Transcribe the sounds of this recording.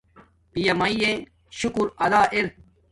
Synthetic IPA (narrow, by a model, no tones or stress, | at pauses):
pijɐmɐijẽ | ɕukuɾɐd̪aːʔeɾ̚